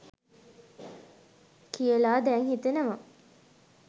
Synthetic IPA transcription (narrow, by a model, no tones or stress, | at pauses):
kijəlaːd̪ɛŋhit̪enəʋɐ